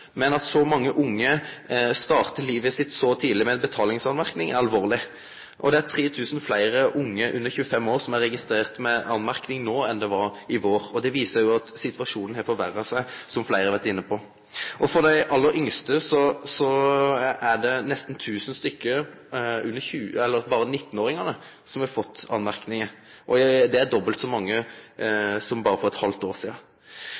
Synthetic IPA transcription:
mɛnɑt̪sɔmɑŋːəʔʊŋːəst̪ɑːʁt̪əliːʋəsɪt̪ːsɔt̪ʰiːd̪lɪmɛɛnbət̪ʰɑːlɪŋsɑnmæɾknɪŋæɾɑlʋoːʁlɪ | ʔɔ̰d̪ɛæɾt̪ʰʁeːt̪ʰʉːsn̩flæɪɾəʔʊŋːəʔʉnːəçʉːəfɛmːoːɾʁsɔmæɾːɛɡɪst̪ɾeːʁt̪mɛɑnmæɾknɪŋnoːɛnd̪ɛʋɑɾɪʋoːʁɔd̪ɛʋiːsəɾjʊɑt̪sɪt̪ʋɑʂuːnn̩hɛfɔʋæɾːəsæɪsɔmflæɪʁəɑʋæɾt̪ɪnːəpʰɔ | ʔɔfɔd̪æɪʔɑlːəɾʔʏŋst̪əsɔsɔ | æɖɛnɛst̪n̩t̪ʰʉːsənst̪ʏkːə | ʉnːəçʉːɛlːəɾbɑːɾənɪt̪ːn̩oːɾɪŋɑnə | sɔmhɛfɔt̪ʰːɑ̰nmæʁknɪŋə | ʔɔd̪ɛæɾd̪ɔbəlt̪sɔmɑŋːə | sɔmbɑːɾəfɔɾɛt̪hɑlt̪oːʁsiːɑ

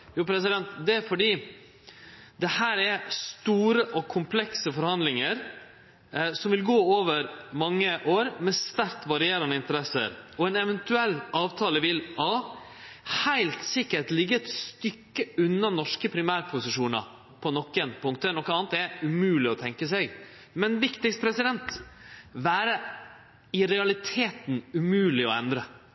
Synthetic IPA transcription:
juːpʰɾɛs̬ɪd̪ɛnt̪d̪ɛfɔɖiː | d̪ɛhæːɾɛɾst̪uːɾəʔɔkʰʊmpʰlɛksəfɔɾhɑnd̪lɪŋəɾ | sɔmʋɪlɡoːoːʋəɾmɑŋːəʔoːɾmɛst̪æɾkt̪ʋɑɾɪeːɾɑnəɪnt̪əɾɛsə̰ɾɔɛnɛʋɛnt̪ʉɛlːɑːʋt̪ʰɑːləʋɪlhɑ | hæɪlt̪sɪkːəʈlɪɡːəɛt̪st̪ʏkːəʉnːɑnɔʂkəpʰɾɪmæːɾpʰʊsɪʂuːnɑ̰ | pʰɔnɔkːɛnpʰʊŋkt̪əɛnɔkːəɑːnt̪ɛʉmʉːlɪɔt̪ʰɛŋkəsɛɡ | mɛnʋɪkt̪ɪkst̪pʰɾɛsɪd̪ɛnt̪ | ʋæːɾə | ɪɾɛɑlɪt̪ʰeːt̪n̩ʉmʉːlɪɔɛnd̪ɾə

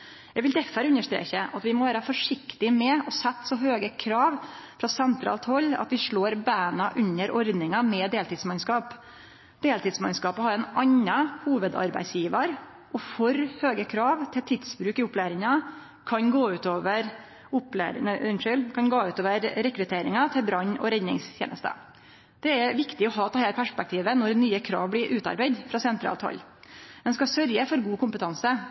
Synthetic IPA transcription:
jæɡʋɪld̪ɛfəɾʉnːəʂt̪ɾḛːçəʔɑt̪ʋɪmɔʋæːɾɑfɔʂɪkt̪ɪmɛɔsɛt̪ːsɔɦøːɡəkʰɾɑːʋfɾɑsɛnt̪ʰɾɑ̰ːlt̪hɔlːɑ̰t̪ʋɪʂɭoːɾbæːnɑʔʉnːəɾʔɔɾd̪nɪŋɑmɛd̪eːlt̪ɪːd̪smɑnskɑːp | d̪eːlt̪ɪːd̪smɑnskɑːpəhɑɾɛnʔɑɲːɑhuːʋəd̪ɑ̰ɾbæ̰ɪsjiːʋəɾ | ʔɔfɔɾhøːɡəkʰɾɑːʋt̪ʰɪlt̪ʰɪd̪spɾʉːkɪʊplæːɾɪŋɑ | kʰɑnɡoːʉːt̪oːʋəɾ | ʊplæ̰ːɾɪ̰nɪnʂʏlkʰɑnɡoːʉːt̪oːʋəɾɾɛkɾʉt̪ʰeːɾɪŋɑt̪ʰɪlbɾɑɲɔ̰ɾɛnːɪ̰ŋsçʰḛːnə̰st̪ə̰ | d̪̥ɛɛʋɪkt̪ɪɔɦɑːt̪ʰɑhɪləpʰæʂpɛk̚t̪ʰiːʋənɔɾnyːəkʰɾɑ̰ːʋblɪɾʔʉːt̪ɑ̰ɾbæɪd̪fɾɑsɛnt̪ʰɾɑ̰ːlt̪hɑ̰lːd̪ɛnskɑsœɾjəfɔɾɡuːkʊmpət̪ʰɑnsə

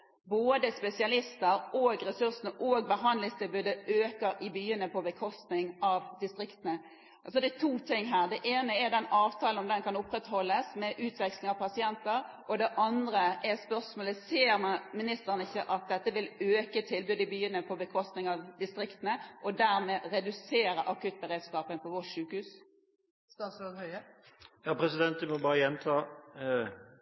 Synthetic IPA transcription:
boːd̪əspɛsɪɑlɪst̪əɾoːɡɾɛsʉʁsənəʔoːɡ̚bəɦɑnd̪lɪŋst̪ʰɪlbʉːd̪əøːkəɾɪbyːənəpʰɔbəkʰɔst̪nɪŋɑʋd̪ɪst̪ʁɪkt̪ənə | ɑlsɔd̪ɛt̪ʰuːt̪ʰɪŋːɦæːʁd̪ɛʔeːnəɛd̪ɛnɑːʋt̪ʰɑːlənɔmd̪ɛnkʰɑnʊpːɾɛt̪hɔlːəsmɛʔʉːt̪ʰʋɛkslɪŋɑʋpʰɑsɪɛnt̪əɾ | ʔɔd̪ɛʔɑnd̪ʁəʔɛspœʁsmoːləseːɾmɑmɪnɪst̪əʁənɪçːəʔɑt̪̚d̪ɛt̪ːəʋɪløːkət̪ʰɪlbʉːd̪ɪbyːənəpʰɔbəkʰɔst̪nɪŋɑʋd̪ɪst̪ʁɪkt̪ənəʔɔd̪æʁmɛʁɛd̪ʉseːɾəʔɑkʉt̪̚bəʁeːd̪skɑːpənpʰɔʋɔʂʉːkhʉːs | st̪ɑt̪sɔhœɪəjɑːpʰɾɛsɪd̪ɛnt̪̚d̪ʉmɔbɑːɾəjɛnt̪ʰɑː

